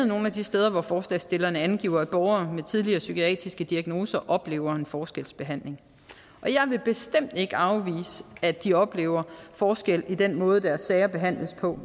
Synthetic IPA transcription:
ð̩ˠno̝ːn̩æd̥isd̥eːð̞ˠɐʋɒfɒːslɛ̰ɪsd̥e̝lɐnəænɡ̥ḭʊ̰ɐæb̥ɒʊɐːmet͡sʰið̞ˠliɐːsykʰiɛ̰ːd̥ʁisɡ̥əd̥iæɡ̥no̝ːsɐʔɒ̽b̥le̝̰ːʊɐe̝nfɒːsɡ̥elsb̥e̝ɦæn̰le̝ŋ | ʔɒ̽jɑ̈ɪʋe̝b̥e̝sd̥em̰d̥e̝ɡ̥əɑ̈ʊʋḭːsəæd̥iɒ̽b̥le̝̰ːʊɐfɒːsɡ̥el̰id̥enmɔ̽ːð̞̩ˠd̥æɐsːɛɪɐb̥e̝ɦæn̰ləspʰɒ̽

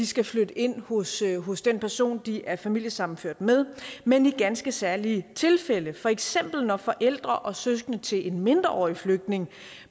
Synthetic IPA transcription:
disɡ̥æflød̥əʔe̝n̰ho̽sɦɔ̽sd̥enpʰæɐso̝̰ːnd̥iʔæɐfæmil̰jəsɑ̈m̰m̩føɐ̰d̥með̞ˠmeniɡ̥ænsɡ̥əsæɐlit͡sʰe̝lfel̰əfɒ̽eɡ̥sem̰b̥l̩nɒ̽fɒ̽ʔel̰d̥ʁɐʔɒ̽søsɡ̥ənət͡sʰe̝lʔe̝nme̝nd̥ʁɐʔɒ̰ːifløɡ̥̚d̥ne̝ŋ

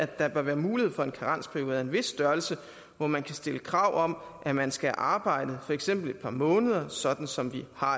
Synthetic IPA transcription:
æd̥ɑ̈b̥ɶɐʋæːɐmuːlihe̝ð̰ˠfɒ̽e̝nkʰɑʁɑn̰spʰæɐjo̝ːð̩ˠæɐe̝nʋe̝sːd̥ɶɐl̩sə | ʋɒmænkʰæsd̥e̝ləkʰʁɑ̈ʊ̰ʔɒ̽m | ʔæmænsɡ̥æʔɑ̈ːb̥ɑ̈ɪ̰d̥əðˠfɒ̽eɡ̥sem̰b̥l̩e̝d̥̚pʰɑ̈ːmɔ̽ːnəð̞ˠɐsɒ̽d̥n̩sɒ̽mʋihɑ̈

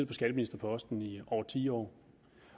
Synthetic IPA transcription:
ð̥̩̰ˠpʰɒɡ̥æɾ̥əminisd̥ɐpʰɒ̽ɒ̽sd̥n̩iɒ̰ːt͡sʰḭːɒ̰ː

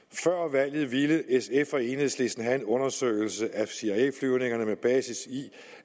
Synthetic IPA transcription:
fɶɐ̰ʋæl̰jð̞̩ˠʋiləʔesefɒe̝ːn̩ˠsle̝sn̩ɦæe̝nɔ̽nɐsø̰ɪl̩səʔæsiæḛːflyʊne̝ŋɐnəmeb̥ɛːsisi

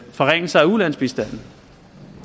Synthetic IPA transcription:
fɒ̽ʁeŋ̰əsɑ̈ɪæulæn̰sb̥isd̥æn̰n̩

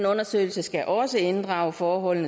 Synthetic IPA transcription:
nɔ̽nɐsø̰ɪl̩səsɡ̥æʔɒ̽səe̝nd̥ʁɑ̈ʊəfɒːɦɒ̽l̰n̩ə

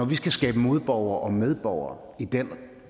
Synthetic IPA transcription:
ɒʋisɡ̥æsɡ̥ɛːb̥əmo̝ð̞̩ˠb̥ɒʊ̰ɐʔɒ̽með̞ˠb̥ɒʊɐː | id̥en

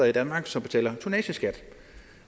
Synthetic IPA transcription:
id̥ænmɑ̈ːɡ̥sɒ̽mb̥̝t͡sʰel̰ɐt͡sʰunɛ̰ːɕəsɡ̥æd̥

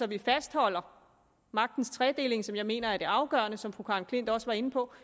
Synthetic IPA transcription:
sɒ̽ʋifæsd̥hɒ̽l̰ɐ | mɑ̈ɡ̥̚d̥n̩st͡sʰʁɛd̥e̝le̝ŋsɒ̽mjɑ̈ɪme̝̰ːnɐæɐd̥e̝ɑ̈ʊɡ̥ɶ̰ɐnəsɒ̽mfʁukʰɑ̈nkʰle̝n̰d̥ɒ̽səʋɑ̈e̝nəpʰɒ̽

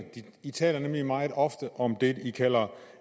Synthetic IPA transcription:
d̥i | it͡sʰɛ̰ːlɐnemlimɑ̈ːð̞̩ˠɒ̽fd̥əʔɒ̽md̥e̝ikʰæl̰ɐ

